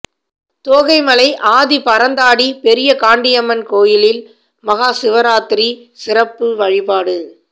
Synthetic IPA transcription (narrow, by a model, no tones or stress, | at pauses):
t̪oːɣɐɪmɐlɐɪʔaːðipɐɾɐnd̪aːɽipɛɾɪjɐkaːɳɖɪjɐmɐnkoːjɪlɪl | mɐɣaːsɪʋɐɾaːt̪ɪɾi | sɪrɐpːɯʋɐɻɪbaːɽɯ